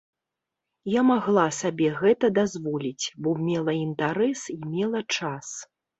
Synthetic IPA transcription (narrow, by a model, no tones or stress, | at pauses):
jamaɣlˠasabʲɛɣɛt̪ɐd̪azvɔlʲit͡sʲbɔmʲɛlˠɐint̪aɾɛsimʲɛlˠɐt͡ʂas